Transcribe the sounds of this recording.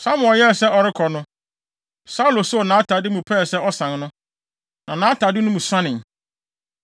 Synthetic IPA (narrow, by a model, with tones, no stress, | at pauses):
sa˦m˨ɔ˨jɛ˦˨sɛ˦ɔ˨ɾɪ˦kʰɔ˨nʊ̃˦ | sa˦lo˨sʊ˦˨nãː˨˦tʰa˨dɪ˦mũ˨pʰɛ˦˨sɛ˦ɔ˦sã˨nnʊ̃˦ | nã˨nãː˨˦tʰa˨dɪ˦nʊ̃˦mũ˨sã˦nɪ̃˨ŋ